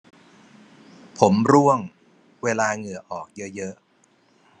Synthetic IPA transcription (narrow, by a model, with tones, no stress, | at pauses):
pʰo˩˦mɾu˥˩əŋ | weː˧laː˧ŋɯ˨˩əʔɔː˨˩k̚jɤ˦˥jɤ˦˥ʔ